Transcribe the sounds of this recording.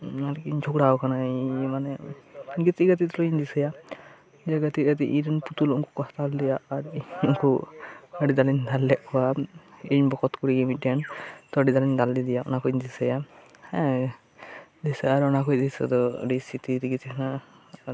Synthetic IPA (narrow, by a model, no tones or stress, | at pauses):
alkiɲd͡ʒʰʱukɽaɔkanaimanɛɡit̪iɡət̪it̪ɾɔiɲd̪isɛja | d͡ʒɛɡət̪iɡət̪iʔiɾinput̪ulɔŋkukɔht̪ald̪ijaaɾɔŋkuəɖid̪aliɲd̪alːɛʔkɔwaiɲbɔkɔt̪kuɽiimiʈɛɳt̪ɔəɖid̪alind̪ald̪id̪ijaɔ̰nakuɲd̪isɛja | d̪isɛaɾɔnakujd̪isɛ̰d̪ɔə̰ɖisit̪iɾiɡit̪ikʰna